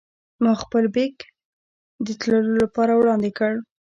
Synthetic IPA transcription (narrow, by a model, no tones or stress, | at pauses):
mɑxpəlbek | d̪ət̪ləlolapɑɾawɽɑnd̪ɪkəɽ